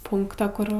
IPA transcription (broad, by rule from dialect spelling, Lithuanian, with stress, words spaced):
ˈpʊŋktɐ ˈkʊr